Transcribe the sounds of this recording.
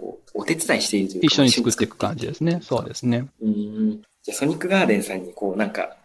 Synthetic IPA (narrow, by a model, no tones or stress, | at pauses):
ko̰ːot̪e̞t͡sɨd̪aiɕi̥t̪e̞iɾɯ̟t̪ojiɕɕːo̞ɲ̟it͡sɨkɯ̟t̪ːe̞kɯ̥kã̰ɲ̟d͡ʑid̪e̞sɨne̞so̞ːd̪e̞sɨne̞ɯ̃ː | d͡ʑaːso̞ɲ̟ikːɯ̟ɡaːd̪ẽ̞ɰ̃sãɲ̟ːiko̞ːnãŋka̰